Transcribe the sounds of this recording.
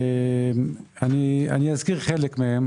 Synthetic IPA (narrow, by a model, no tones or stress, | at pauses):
m | ania̰niazkiʁχelekmehem